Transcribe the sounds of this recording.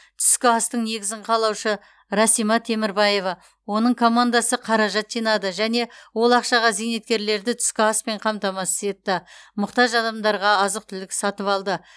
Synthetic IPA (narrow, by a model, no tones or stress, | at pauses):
t̪ʰʏ̥skʲɪɑst̪əɴne̞ɡʲɪzɪɴqʰɑlˠɑwʃə | ɾɑsijmɑt̪ʰe̞mɪɾbɑje̞vɑ | wo̞nəɴkʰo̞mand̪ɑsəqʰɑɾɑʒɑt̪ʒijnɑd̪əʒæne̞wo̞lˠɑqʃɑʁɑzijne̞t̪̚kʲe̞ɾle̞ɾd̪ɪt̪ʰʏ̥skʲɪɑspe̞ɴqʰɑmt̪ɑmɑsɪ̥ze̞t̪ːɪmʊqt̪ɑʒɑd̪ɑmd̪ɑɾʁɑɑzəq̚t̪ʰʏlɪksɑt̪əpɑlˠd̪ə